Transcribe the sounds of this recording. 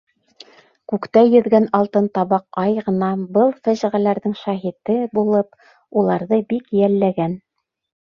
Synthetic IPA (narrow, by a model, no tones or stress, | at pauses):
kʉkt̪æjɵ̆ðɡænɑlˠt̪ɤnt̪ɑβɑqɑjʁɤ̆nɑbɤlˠfæʑ̆ʁælæɾðɘŋʃɑɦit̪ɘbulˠɤp̚ | ulˠɑɾðɤbikjælːæɡæn